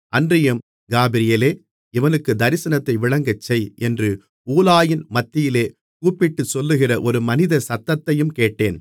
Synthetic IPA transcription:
ʔɐndrɪjɐm | ɡaːbɪɾɪjɐleː | ɪʋɐnɯkːɯd̪ɐɾɪsɐnɐt̪ːɐɪʋɪɭɐŋɡɐt͡ʃːɐjɛndrɯ | uːlaːjɪnmɐt̪ːɪjɪleː | kuːpːɪʈːɯsɔlːɯɣɪrɐʔɔɾɯmɐnɪðɐsɐt̪ːɐt̪ːɐjɯmkeːʈːeːn

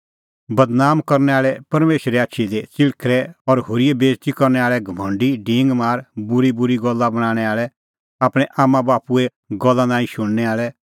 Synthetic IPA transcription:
bɐd̪naːmkɔɾnɛaːɭɛpɐɾmeːʃɾɛaːtːʃʰid̪et͡sɪɭkʰɾɛɔɾɦoːɾijɛbeːd͡ʒt̪ikɔɾnɛaːɭɛɡʱɐmʱɔ̃ːɳɖiɖɪ̃ːŋɡmaːɾbʊɾibʊɾiɡɔlːabɐɽ̃aːɽ̃ɛaːɭɛ | aːpɽ̃ɛʔaːmãbaːpuɛ | ɡɔlːanaːĩʃʊɽ̃nɛaːɭɛ

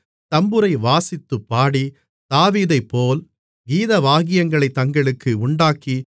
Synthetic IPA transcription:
t̪ɐmbɯɾɐɪʋaːsɪt̪ːɯpːaːɽi | d̪̥aːʋiːðɐɪpːoːl | ɡiːðɐʋaːɣɪjɐŋɡɐɭɐɪt̪ːɐŋɡɐɭɯkːɯʊɳɖaːkːi

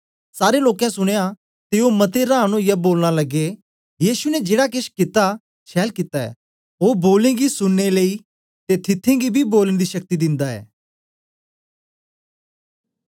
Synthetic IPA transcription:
saːɾeloːkɛ̃sʊɽ̃eja | t̪eomɐt̪eɾãːnõjaboːlñalɐɡe | jiːsunɛd͡ʒeːɽak̬ɪʃkɪt̪a | ʃʰɛːlkɪt̪aɛ̰ː | oːboːlẽɡisʊɽneləi | t̪et̪ʰɪt̪ʰːẽɡibʱiboːləɽ̃d̪iʃɐk̚t̪id̪ɪ̃nd̪aɛ̰ː

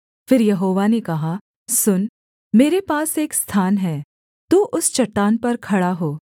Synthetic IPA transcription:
fɪɾjɐɦoːʋanekɐɦa | sʊn | meːɾepaːseːkst̪ʰaːnɦɛː | t̪uːʔʊst͡ʃɐʈːaːnpɐɾkʰɐɽaɦoː

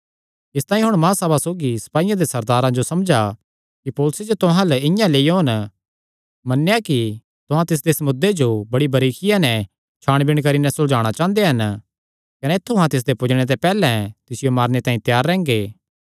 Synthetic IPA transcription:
ɪst̪aːĩɦʊɽ̃mãːsɐːbasoːɡisɐ̥paːijãd̪esɐɾd̪aːɾãd͡ʒosɐmd͡ʒa | kipoːlʊsed͡ʒot̪ʊɦãləɪ̃jãleːiɦoːn | mɐnːejaki | t̪ʊɦãt̪ɪs̬d̪esɐmʊd̪ːed͡ʒobɐɽibʱɐɾiːkʰɪjãnɛ | t͡ʃʰaːɽ̃bɪɽ̃kɐɾinɛsʊd͡ʒaːɽ̃at͡ʃãːnd̪eɦɐn | kɐnet̪ʰːoɦãt̪ɪs̬d̪epʊd͡ʒɽ̃et̪̬ɛpɛːlɛ̃t̪ɪsɪjomaːɾñet̪ãːĩt̪jaːɾːɛ̃ːŋɡeː

